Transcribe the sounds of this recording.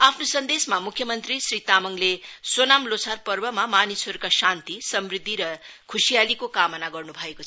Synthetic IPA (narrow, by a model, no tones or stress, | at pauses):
apʰnosʌnd̪esmamukʰjʌmʌnt̪risrit̪amʌŋlesonamlot͡sʰarpʌrbʌmamanisʌɾukasant̪isʌmrid̪ʱːiɾʌkʰusijalikokamʌnaɡʌrnubʱʌekoʌ